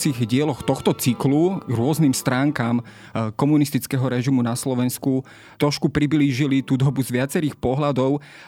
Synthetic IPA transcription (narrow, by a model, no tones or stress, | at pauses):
t͡siɣɟɪɛlɔxt̪ɔxt̪ɔt͡sikluɾʊɔznimst̪ɾaːŋkaːm | kɔmunist̪it͡skɛɦɔɾɛʒimunaslɔʋɛnsku | t̪ɾɔʃkupɾibliːʒilit̪ud̪ɔbuzʋɪat͡sɛɾiːxpɔɦlad̪ɔʊ